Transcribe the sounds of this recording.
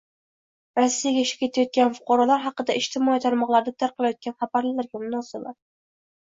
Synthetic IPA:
ɾasːijaɡʲaʃɪ̥kʲʰe̞t̪ʰajɒt̪̚kʲanfʊ̥qʰɑɾɒlaɾɦɑqɨd̪aɪʃt̪ʰɪmɒit̪ʰaɾmɒqlˠaɾd̪at̪ʰaɾqʰɨlˠajɒt̪̚kʲanχɑbaɾlɪlaɾɡʲamʊnɒsɪbaɾ

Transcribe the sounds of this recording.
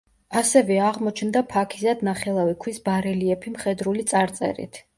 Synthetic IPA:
asɛvɛaʁmɔt͡ʃʰnd̪apʰakʰi̥zad̪naχɛlˠavikʰwisbaɾɛliɛpʰimχɛd̪ɾulit̪sʼaɾt̪sʼɛ̰ɾḭt̪ʰ

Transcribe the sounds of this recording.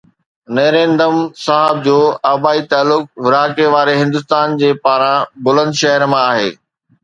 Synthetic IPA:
nɐːɾẽːnd̪əmsaːɦəb̚d͡ʑoːaːbaːit̪aːlːʊk̚ʋɪɾaːkeʋaːɾeɦɪ̃nd̪ʊs̬t̪aːnd͡ʑeːpaːɾãbʊlə̃nd̪ʃɐɦəɾmãaːɦḛː

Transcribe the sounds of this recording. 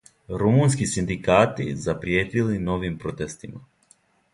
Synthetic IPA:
ɾumuːns̬kisind̪ikaːt̪izapɾjeːt̪ilino̞ʋimpɾo̞t̪est̪ima̰

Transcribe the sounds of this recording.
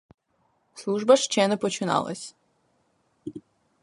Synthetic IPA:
slˠuʒbɐʃt͡ʃɛnɛpɔt͡ʃɪnɑ̰lˠɐ̰sʲ

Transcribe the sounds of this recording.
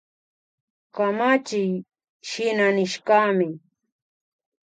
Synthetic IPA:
kamat͡ʃɪj | ʃɪnanɪʃkamɪ

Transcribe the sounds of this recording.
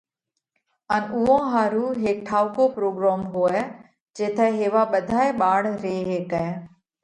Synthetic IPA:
ənʊɦõɦaːɾuɦeːk̚ʈʰaːʊkopɾoːɡɾaːmɦoːɛː | d͡ʒeːt̪ʰɛɦeːʋaɓəd̪ʱaːeɓaːɽɾeɦeːkɛeː

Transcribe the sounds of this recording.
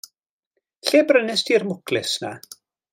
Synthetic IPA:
ɬeːbrənɪstʰiːrmʊkʰlɪsna̰

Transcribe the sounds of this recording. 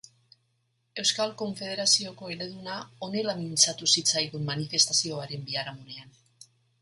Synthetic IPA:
e̞wskalko̞ɱfe̞ð̞e̞ɾasio̞ko̞e̞ɾe̞ðunao̞ne̞lamint͡sat̪usit͡sajðumːanife̞st̪asio̞aɾe̞mbiaɾamune̞an

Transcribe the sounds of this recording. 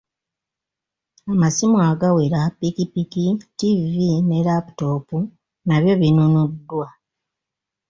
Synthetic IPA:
amasimuaɡaweɾapikipikitivine̞lapu̥to̞ːpu | naβjo̞βinunudːwa

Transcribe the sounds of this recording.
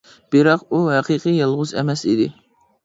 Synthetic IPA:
b̥iɾɑquɦæqʰiqʰɨjɑlˠʁʊzɛ̰mɛsḭd̪ɪ

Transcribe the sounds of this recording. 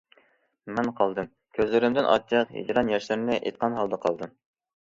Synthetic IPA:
mɪnqʰɑlˠd̪ɨm | kʲʰøzlɪɾɪmd̪ɪnʔɑ̰tt͡ʃʰəqɦḭd͡ʒɾɑnjɛʃlɪɾnɪʔḛt̪̚qɑnɦɑlˠd̪ɑqʰɑlˠd̪ɨm

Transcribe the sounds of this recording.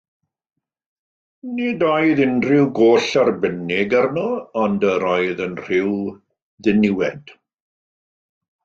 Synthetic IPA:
niːdajðɪnrɪwɡoːɬarbənɪɡarnɔɔndəɾajðənr̥ɪw | ðɪnɪwɛd̥

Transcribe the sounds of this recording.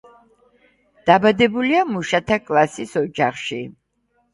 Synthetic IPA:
d̪̥abad̪ɛbuliamuʃat̪ʰakʼlˠasisɔd͡ʒaχʃi

